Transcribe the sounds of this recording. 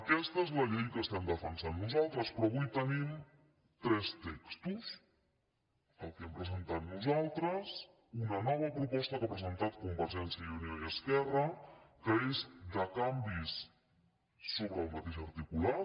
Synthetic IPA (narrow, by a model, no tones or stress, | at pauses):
əkɛst̪əezləʎejkəst̪ɛmd̪əfənsanːuzalˠt̪ɾəspɾɔβujt̪ənim | t̪ɾɛst̪ɛkst̪us | əlˠkɛmpɾəzənt̪at̪nuzalˠt̪ɾəs | unənɔβ̞əpɾupɔst̪əkəpɾəzənt̪at̪kumbəɾʒɛnsiəunijojəskɛrəkəezd̪əkambis | oβɾəːlˠmət̪eʃəɾt̪ikula